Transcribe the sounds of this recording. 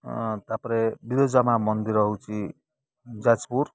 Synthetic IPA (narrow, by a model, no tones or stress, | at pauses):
t̪apɾebid̪od͡zʌmamʌnd̪iɾʌɦũt͡sʰi | d͡zad͡zpur